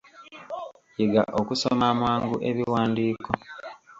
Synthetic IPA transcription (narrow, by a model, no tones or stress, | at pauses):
jiɡa̰ʔokusomamwaːŋɡuʔe̞βiwaːndiːko